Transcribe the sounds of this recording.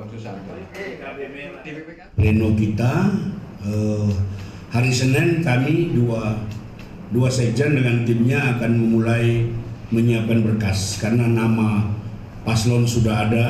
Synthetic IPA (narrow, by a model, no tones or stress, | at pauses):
enokit̪a | ə | haɾisənənkamidua | duased͡ʒandəŋant̪imɲaːkanməmulajməɲiapanbərkaskarənanama | paslɔnsudaɦada